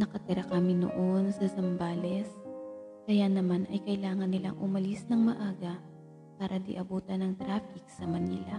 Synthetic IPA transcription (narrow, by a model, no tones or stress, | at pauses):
nɐkɐt̪ɪɾakɐmɪno̰ʔonsɐsɐmbaːlɛskɐjanɐmanʔɐjkɐɪlaːŋɐnːɪla̰ŋʔʊmɐlisnɐŋmɐʔaːɡɐ | paːɾʔɐd̪ɪ̰ʔɐbuːt̪ɐnɐŋt̪ɾaːfɪk̚sɐmɐniːlɐ